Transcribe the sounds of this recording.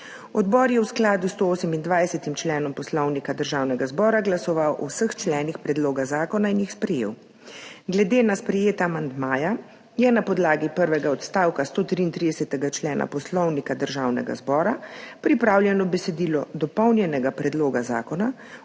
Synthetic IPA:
ɔd̪bɔːɾjɛwsklaːd̪ust̪ooːsɛmind̪ʋajsɛt̪imt͡ʃlɛːnɔmpɔslɔwnikad̪əɾʒaːwnɛɡazbɔːɾaɡlasɔʋawʔɔ̰wsəxt͡ʃlɛːnixpɾɛd̪loːɡazaːkɔnainjixspɾɛjḛːw | ɡlɛd̪eːnaspɾɛjeːt̪aːmand̪maːja | jɛnapɔd̪laːɡipəɾʋɛɡaɔt̪st̪aːwkast̪oːt̪ɾiːnt̪ɾid̪ɛsɛt̪ɛɡat͡ʃlɛːna̰pɔslɔwnikad̪əɾʒaːwnɛ̰ɡa̰zbɔːɾapɾipɾaːwljɛnɔbɛsɛd̪iːlɔd̪ɔpɔwnjɛnɛɡapɾɛd̪loːɡaza̰ːkɔna

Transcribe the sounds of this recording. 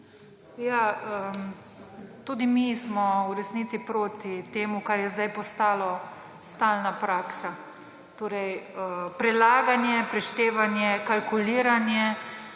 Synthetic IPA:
jaə | t̪uːd̪imismɔwɾɛsniːt̪sipɾoːt̪it̪eːmukaɾjɛzd̪ajpɔst̪aːlɔ | st̪aːlnapɾaːksa | t̪oːɾɛjəpɾɛlaːɡanjɛpɾɛʃt̪eːʋanjɛkalkuliːɾanjɛ

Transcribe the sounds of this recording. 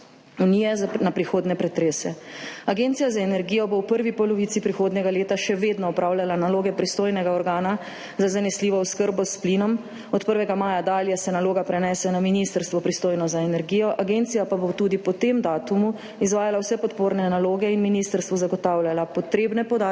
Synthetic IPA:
uniːjɛznapɾixoːd̪nɛpɾɛt̪ɾeːsɛaɡeːnt̪ijazaɛnɛɾɡijɔbowpəɾʋipɔlɔʋit̪sipɾixoːd̪nɛɡaleːt̪aʃɛʋeːd̪nɔɔpɾʔaːwlalanaloːɡɛpɾist̪oːjnɛɡaɔɾɡaːna | zazanɛsliːʋɔuskəɾbɔspliːnɔm | ɔt̪pəɾʋɛɡamaːjad̪aːljɛsɛnaloːɡapɾɛnɛːsɛnaminist̪əɾst̪ʋɔpɾist̪oːjnɔzaɛnɛɾɡiːjɔʔaɡeːnt̪sijapabot̪uːd̪ipɔt̪emd̪aːt̪umu | izʋaːjalawsɛpɔt̪poːɾnɛnaloːɡɛinminiːst̪əɾst̪ʋɔzaɡɔt̪awljalapɔt̪ɾeːbnɛpɔd̪a

